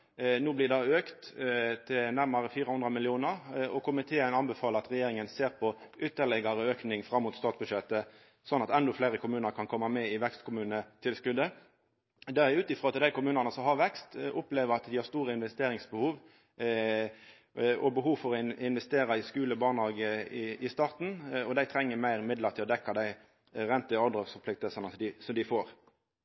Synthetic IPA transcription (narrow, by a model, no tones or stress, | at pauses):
nuːblɪd̪ɑøːkt̪t̪ʰɪnæʁmɑɾəfiːɾəhʊnd̪ʁəmɪlɪuːnəʁɔkʰʊmɪt̪ʰeːənɑnbəfɑːləʁɑt̪ʁɛjeːɾɪŋənseːʁpʰɔʔʏt̪ːəʁɭɛɡɑɾəøːknɪŋfɾɑmːʊt̪st̪ɑːt̪s̚bʉʂɛt̪ːə | sɔnːɑt̪ɛnd̪ɔfleːɾəkʊmʉːnəɾkʰɑnkʰɔmːɑmɛɪʋɛkst̪kʊmʉːnət̪ʰɪlskʉd̪ːə | d̪ɛæʉːt̪ɪfʁɔːɑt̪d̪æɪkʊmʉːnɑnəsɔhɑɾʋɛkst̪ʔʊpleːʋəɾɑt̪d̪ɪhɑʁʂst̪uːʁəɪnʋɛst̪eːɾɪŋsbəhuːʋ | ɔbəɦuːʋfɔɾɔɪɪnʋɛst̪eːɾɑɪskʉːləbɑːʁnhɑːɡəɪʔɪst̪ɑːʁt̪n̩ɔd̪æɪt̪ʰɾɛŋːəmæɪʁɪmɪd̪ləʁt̪ʰɪlɔd̪ɛkːɑd̪æɪ | ʁɛnt̪əɔd̪ʁəfɔpʰlɪk̚t̪əlsɑnəd̪ɪsɔd̪ɪfoːɾ